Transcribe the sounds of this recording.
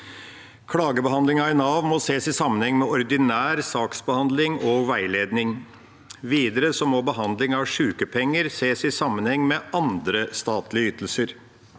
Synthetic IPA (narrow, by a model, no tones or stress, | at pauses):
kʰɽɑːɡəbəɦɑnd̪lɪŋɑɪnɑʋmɔseːsɪsɑmːənhɛŋːmɛɔɾd̪ɪnæːɾsɑːksbəhɑnd̪lɪŋɔɡʋæɪleːd̪nɪŋ | ʋiːd̪əɾəsɔmɔbəɦɑnd̪lɪŋɑʋʂʉːkəpʰɛŋːəɾseːsɪsɑmːənhɛŋːmɛʔɑnd̪ɾəst̪ɑːt̪lɪəyːt̪əl̩səɾ